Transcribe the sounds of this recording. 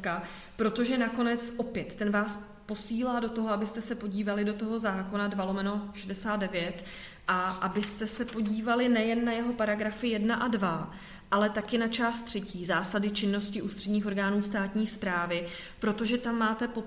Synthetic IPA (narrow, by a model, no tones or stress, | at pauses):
ka | pɾo̞t̪o̞ʒɛnako̞nɛt͡sʔo̞pjɛt̪ːɛnvaːs | po̞siːlaːdo̞t̪o̞ɦoabɪst̪ɛsɛpo̞ɟiːvalɪdot̪o̞ɦo̞zaːko̞nadvalo̞mɛnoʃɛdɛsaːt̪dɛvjɛt̪ | ʔaʔabɪst̪ɛsɛpo̞ɟiːvalɪnɛjɛnːajɛɦo̞paɾaɡɾafɪjɛdnaʔadva | ʔalɛt̪akɪnat͡ʃaːst̪ːr̝̥ɛciːzaːsadɪt͡ʃɪnːo̞scɪʔuːst̪r̥ɛdɲiːxo̞ɾɡaːnuːst̪aːt̪ɲiːspɾaːvɪ | pɾo̞t̪o̞ʒɛt̪amːaːt̪ɛpo